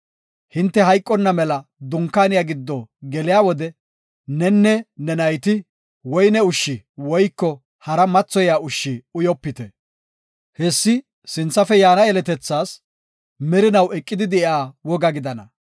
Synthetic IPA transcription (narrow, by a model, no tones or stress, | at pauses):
hɪnt̪ːɛhɐjkʼːɔnːɐmɛlɐd̪ʊŋkːaːnɪjaɡɪd̪ːɔɡɛlɪjaːwɔd̪ɛ | nɛnːɛnɛnɐjt̪ɪ | wɔjnɛʊʃːɪwɔjkːɔ | hɐɾɐmɐt͡sːɔjaːʊʃːɪʊjɔpːɪt̪ɛ | hɛsːɪ | sɪnt͡sːɐfɛjaːnɐɛlɛt̪ɛt͡sːaːs | mɛɾɪnɐwɛkʼːɪd̪ɪd̪ɛɪaːwɔɡɐɡɪd̪ɐnɐ